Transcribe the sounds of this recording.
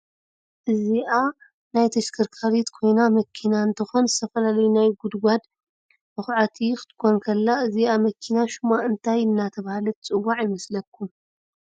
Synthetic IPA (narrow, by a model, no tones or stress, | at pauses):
ʔɨziʔa | najt̪ʰɐʃkʰɨɾkʰaɾit̪kʰo̞jnamɐkʰːinaɨnt̪ʰɨxo̞nzɨt̪ʰɐfɐlalɐjunajɡud̪ɡʷad̪ | bɨxʕat̪ʰikɨ̥t̪ʰɨ̥kʰonkʰɐlːaɨziamɐkʰːinaʃumaɨnt̪ʰajɨnːat̪ʰɐβahalɐt̪t͡sʼɨwaʕjɪmɐslɐkːum